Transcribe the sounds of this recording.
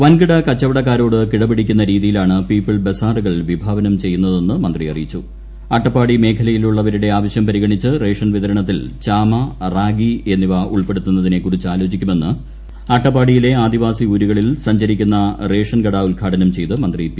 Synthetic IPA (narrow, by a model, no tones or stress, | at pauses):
ʋɐnkiɽɐkɐt͡ɕːɐʋɐɽɐkːaːɾo̞ːɽɨkiɽɐbiɽikʲːunːɐɾiːðijilaːɳɨpiːpːiɭbe̞saːruɣɐɭʋibʱaːʋɐnɐmt͡ɕe̞jːunːɐðe̞nːɨmɐnd̪riɐrijit͡ɕːu | ɐʈːɐpːaːɽime̞ːkʰɐlɐjiluɭːɐʋɐɾuɽe̞aːʋɐɕjɐmpɐɾiɣɐɳit͡ɕːɨre̞ːʂɐnʋit̪ɐɾɐɳɐt̪ːilt͡ɕaːmɐraːɡie̞nːiʋɐʔṵɭpe̞ɽut̪ːunːɐðine̞kurit͡ɕːaːlo̞ːt͡ɕikʲːume̞nːɨ | ɐʈːɐpːaːɽijile̞aːd̪iʋaːsiuːɾuɣɐɭilsɐɲd͡ʑɐɾikʲːunːɐre̞ːʂɐnɡɐɽɐulkʰaːʈʰɐnɐmt͡ɕe̞jt̪ɨmɐnd̪rip